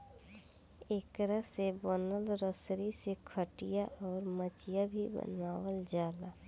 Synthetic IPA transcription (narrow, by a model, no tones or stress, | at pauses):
eːkɾəsebɔnəlɾəsɾisekʰəʈijaʔɔːɾmət͡ʃijabʱibə̰naːwəld͡ʒaːlaː